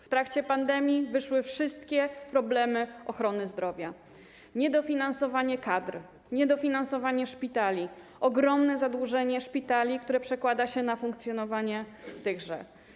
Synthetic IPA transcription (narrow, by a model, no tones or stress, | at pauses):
ft̪ɾakt͡ɕɛpand̪ɛmʲjivɘʂwɘfʂɘst̪kʲɛpɾɔblɛmɘɔxɾɔnɘzd̪ɾɔvʲja | ɲɛd̪ɔfʲinansɔvaɲɛkad̪ɾ | ɲɛd̪ɔfʲinansɔvaɲɛʂpʲit̪alʲiʔɔɡɾɔmnɛzad̪wuʐɛɲɛʂpʲit̪alʲikt̪uɾɛpʂɛkwad̪aɕɛnafuŋkt̪sʲjɔnɔvaɲɛt̪ɘɣʐɛ̰